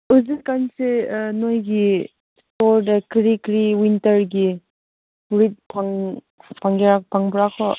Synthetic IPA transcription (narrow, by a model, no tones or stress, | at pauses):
uzilkansenojɡi | stɔɾdakɾikɾiwintəɾɡi | ɾit̚pʰaŋ | paŋɡiɾakpaŋbɾakʰɔ